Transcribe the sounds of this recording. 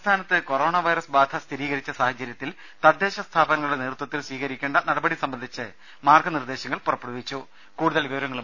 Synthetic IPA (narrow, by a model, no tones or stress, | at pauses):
t̪ʰaːnɐt̪ːɨko̞ɾo̞ːɳɐʋɐjɾɐsbaːd̪ʱɐst̪ʰiɾiːɣɐɾit͡ɕːɐsaːhɐd͡ʑɐɾjɐt̪ːil | t̪ɐd̪ːe̞ːɕɐst̪ʰaːbɐnɐŋɐɭuɽe̞neːrut̪ːwɐt̪ːilsʋiːkɐɾikʲːeːɳɖɐnɐɽɐbɐɽisɐmbɐnd̪ʱit͡ɕːɨ | maːrɡʰʱɐnird̪e̞ːɕɐŋːɐɭpurɐpːɐɽuʋit͡ɕːu | kuːɽuðɐɭiʋɐʋɐɾɐŋːɐɭu